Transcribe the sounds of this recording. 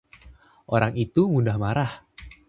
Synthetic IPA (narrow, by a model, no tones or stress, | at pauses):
ʔoɾaŋit̪umundahmaɾah